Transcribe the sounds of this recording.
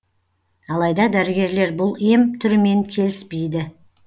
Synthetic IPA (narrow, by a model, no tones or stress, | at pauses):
ɑlˠɑjd̪ɑd̪æɾɪɡʲe̞ɾle̞ɾbʊlˠe̞mt̪ʰʏɾɪme̞ŋkʲʰe̞lɪspe̞jd̪ɪ